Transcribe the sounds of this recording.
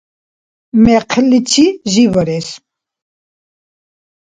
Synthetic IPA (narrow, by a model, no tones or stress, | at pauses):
mɛqʰlit͡ʃʰiʒivəɾɛs